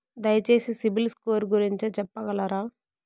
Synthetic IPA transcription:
d̪ɐjɐt͡ʃeːsisibilskoːɾɡuɾiɲt͡ʃit͡ʃɛpːɐɡɐlaɾaː

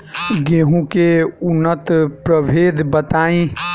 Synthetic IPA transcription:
ɡeɦũkeunːət̪pɾəbʱeːd̪ʱbət̪aːĩ

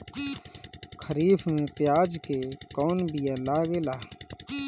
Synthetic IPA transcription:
kʰəɾiːfmẽpjaːd͡ʒkekɔːnbijalaːɡelaː

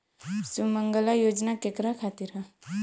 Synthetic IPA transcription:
suməŋɡlajod͡znakekɾakʰat̪iɾa

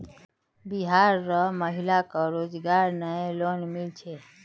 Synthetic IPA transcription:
biɦaɾːəməɦilakəɾod͡ʒɡaɾnəlonmilt͡ʃʰe

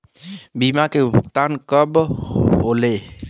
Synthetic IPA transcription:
bimakebʱukt̪ankəbɦole

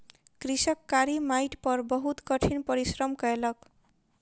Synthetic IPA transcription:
krisʌkːaɾimajʈpʌrbʌɦut̪kʌʈʰinpʌɾisrʌmkʌelʌk

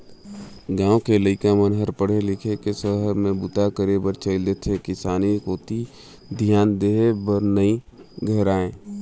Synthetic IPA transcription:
ɡãːokeləɪkamənɦəɾpəɽ̤elɪkʰekesəɦəɾmẽbʊt̪akəɾebəɾt͡ʃəɪld̪et̪ʰekɪsaːnikoːt̪i | d̪ʱjaːnd̪eːebəɾnəĩ | ɡʱəɦɾaːẽː

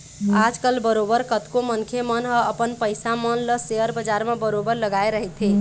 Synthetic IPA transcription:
ad͡ʒkəlbəɾobəɾkət̪komənkʰemənɦəəpənpəjsamənləseəɾbəd͡ʒaɾmebəɾobəɾləɡaeɾəɦɛt̪ʰi

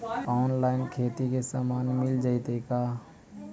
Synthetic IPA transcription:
ɔːnlaːɪnkʰeːt̪ikesaːmaːnmɪld͡ʒaːit̪ekaː

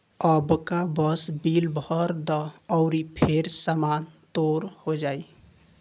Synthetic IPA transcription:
əbkabəsbilbʱəɾd̪ɔːʊɾipʰeɾsamant̪oɾhod͡ʒai

